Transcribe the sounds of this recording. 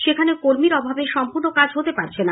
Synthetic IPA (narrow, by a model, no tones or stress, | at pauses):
ʃekʰanekoɾmiɾɔbʱabeʃɔmpuɾnokad͡ʑɦot̪epaɾt͡ɕʰena